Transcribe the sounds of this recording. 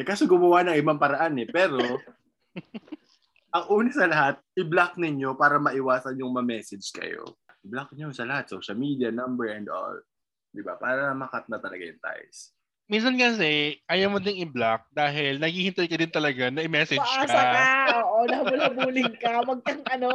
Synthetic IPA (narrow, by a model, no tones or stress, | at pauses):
ɛkaːsoɡʊmɐwanɐŋɪbaŋpɐɾɐʔanɛpɛːɾo̞ | ʔɐŋʔuːnɛsɐlɐɦat̪̚ʔɪblak̚nɪɲo̞paːɾɐmɐʔɪwaːsɐnjʊŋmɐmɛːsɛd͡ʒkɐ̰jo̰blak̚njonsɐlɐhat̪̚so̰ʃɐlmiːd̪jɐnɐmbɛɹɛnd̪o̰l | d̪ɪba̰paːɾɐnɐmɐkat̪̚nɐt̪ɐlɐ̰ɡa̰jʊŋt̪a̰js | mins̬ɐnkɐs̬ɛʔɐjawmod̪ɪŋɪblak̚d̪aːɦɪlnɐɡiːhɪnt̪ɐjkɐd̪ɪnt̪ɐlɐɡanɐʔɪmɛːsɛd͡ʒaːskaaoːʔonɐbʊlɐbuːlɪŋkɐwɐɡ̚kɐŋɐno